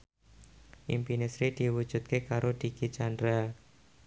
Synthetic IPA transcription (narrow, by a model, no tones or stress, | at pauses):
ʔḭmpinesɾid̪̥i̤wu̥d͡ʒ̥ṳt̪̚kekaɾod̪̥ikit͡ʃand̪ɾa